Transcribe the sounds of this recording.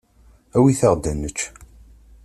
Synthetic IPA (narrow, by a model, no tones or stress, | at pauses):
æwiθəʁd̪ænːət͡ʃː